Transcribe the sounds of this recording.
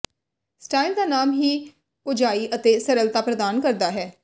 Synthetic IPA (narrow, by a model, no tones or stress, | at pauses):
sʈaːild̪aːnaːmɦiː | pʊd͡ʒaːiːʔət̪eːsəɾəlt̪aːpɾəd̪aːnkəɾd̪aːɦɛː